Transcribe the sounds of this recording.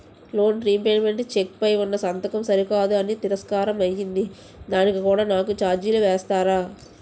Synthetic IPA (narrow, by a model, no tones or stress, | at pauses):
lo̞ːnɾiːpeːnme̞ɳʈt͡ʃekpɐjunːɐsɐnt̪ɐkɐmsɐɾikaːd̪uɐnit̪iɾɐskaːɾɐmɐjːind̪i | d̪aːnikikuːɽaːnaːkut͡ʃaːɾd͡ʒiluʋɛːst̪aːɾaː